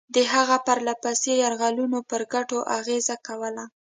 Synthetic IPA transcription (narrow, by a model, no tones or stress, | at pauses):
d̪əɦaɣapaɾlapasejaɾɣalunopəɾɡaʈoʔaɣezakawəla